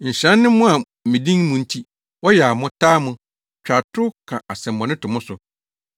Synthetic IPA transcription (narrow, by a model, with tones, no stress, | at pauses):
ɲ̩˨ɕɾɛ̃˦nːɪ̃˦mʊ̃˦a˨ | mĩ˨dĩ˦ŋmʊ̃˨n̩˦tʰi˦ | wɔ˦jɛ˨a˨mʊ̃˦tʰaː˦mʊ̃˨ | t͡ɕᶣa˨tʰʊ˦kʰã˨a˨sɛ̃˨mː˨ɔ̃˨nɪ̃˦tʰʊ˨mʊ̃˦sʊ˨